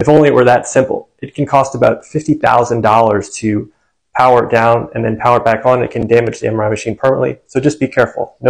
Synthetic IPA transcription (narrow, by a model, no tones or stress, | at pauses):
ɨfõʊ̃nliɨʔwə˞ðɨtsɪ̃mpl̩ˠ | ɨt̚kʰn̩kʰɔstəbaʊtfɪftiθa̰ʊzɨ̃ndɔlˠə˞z̥tʰɨ | pʰaʊə˞dãʊ̃nɨ̃nðɨ̃npʰaʊə˞bækn̩ɨ̰t̚kʰɨ̃ndæmɨd͡ʒðiɛ̰̃mə˞aɪmɨʃĩnpʰɜ˞mnə̰ʔˡlḭsoʊd͡ʒʌsb̥ikʰɛɹfl̩ˠno